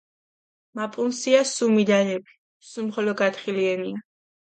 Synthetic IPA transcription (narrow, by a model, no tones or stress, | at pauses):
mapʼunsiasumid̪aɾɛbi̥ | sumχɔlɔɡat̪χiliɛnia